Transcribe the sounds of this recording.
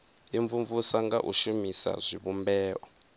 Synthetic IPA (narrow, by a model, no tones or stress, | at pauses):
iɱvuɱvusaŋɡaʔṵʃumisa̰zʷiβumbɛːʔɔ